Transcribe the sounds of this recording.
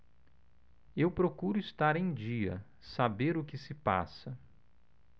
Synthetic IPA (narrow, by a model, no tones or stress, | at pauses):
ewpɾokuɾʊɪst̪aɾẽj̃d͡ʒiɐ̰ | sabeɾʊkɪsɪpa̰sɐ